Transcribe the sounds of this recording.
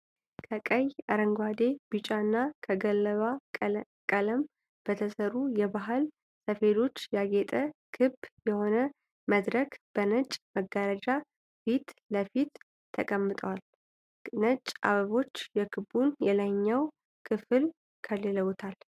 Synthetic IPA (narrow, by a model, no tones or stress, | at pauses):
kʰəkʼəjaɾəŋɡwad̪e̞b̥ɨt͡ʃʼaɨnːakʰəɡəlːəβa | kʼələm | b̥ət̪ʰəsəɾujɛbaɦɨl | səfe̞lo̞t͡ʃːjaɡet̪ʼəkʰɨbjɛho̞nə | məd̪ɾəkb̥ənət͡ʃʼməɡːaɾəd͡ʒa | fit̪ləfit̪ʰː | əkʼəmːɨt̪ʼəwal | nət͡ʃʼʔa̰βəβo̞t͡ʃːjɛkʰɨbunjɛlaɲːaw | kʰɨfɨl | kʰəlːeləwt̪ʰal